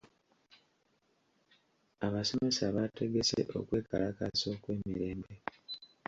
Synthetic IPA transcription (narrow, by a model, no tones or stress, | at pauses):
aβaso̞me̞saβate̞ɡe̞se̞̰ʔo̞̰kwe̞ːkalakaso̞kwe̞ːmiɾe̞ːmbe̞